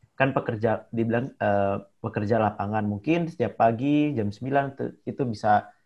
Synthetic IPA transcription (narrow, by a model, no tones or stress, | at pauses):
kanpəkərd͡ʒadibilaŋəpəkərd͡ʒalapaŋanmuŋkɪnsə̥t̪iapːaɡid͡ʒamsəmbilant̪ṵit̪ubisa